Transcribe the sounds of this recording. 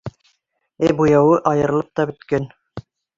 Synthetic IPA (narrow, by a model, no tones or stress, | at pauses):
æbujɑwɤʔɑjɤ̆ɾ̆lˠɤp̚t̪ɑbɵ̆t̪kæn